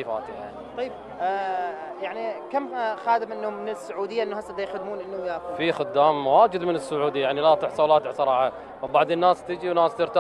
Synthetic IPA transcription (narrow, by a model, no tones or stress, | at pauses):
fa̰ːt̪ɪa | t̪ˤɑjːb̚ | jaʕnikamːxaːd̪ɪmʔɪnːʊmɪnɪsːʊʕuːd̪ɪjːaʔɪnːʊhasːad̪ajxad̪muːnʔɪnːujafixʊd̪ːaːmːwaːd͡ʒɪd̪mɪnɪsːʊʕuːd̪ijaʕnilat̪ˤɪħsˤɑlaːt̪ɪʕsˤɑɾˤɑːħa | abɑʕd̪ˤənːaːst̪ɪd͡ʒiwnaːst̪ɪɾt̪a